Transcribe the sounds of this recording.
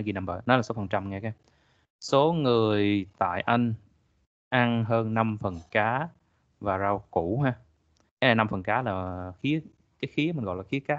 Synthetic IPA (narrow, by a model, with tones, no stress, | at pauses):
ɣi˧na˧mɓəː˧˩nɔ˨˦laː˨˩so˨˦fə˨˩nt͡ɕa˧mŋaː˧kaː˧˦ | so˨˦ŋɨ˨˩əjt̪a̰ː˧˨jʔa˧jŋ̟ | ʔa˧ŋɦəː˧nːa˧mfə˨˩nkaː˨˦ | vaː˨˩zaː˧wku˧˩ɦaː˧ | ka˨˦jna˨˩jna˧mfə˨˩nkaː˨˦laː˨˩xi˨˦ə | kaː˨˦jxi˨˦əmï˨˩nɣɔ̰˧˨jlaː˨˩xi˨˦əkaː˦˥